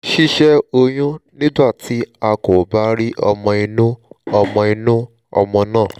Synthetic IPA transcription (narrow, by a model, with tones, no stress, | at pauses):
ʃi˦ʃɛ˦o˧j̃ũ˦nĩ˦ba˦˨tʰi˨˦a˧ko˨ba˦ɾi˦ʔɔ̰˧mɔ̃˧i˧nũ˦ɔ˧mɔ̃˧i˧nũ˦ | ɔ̰˧mɔ̃˧nãː˦˨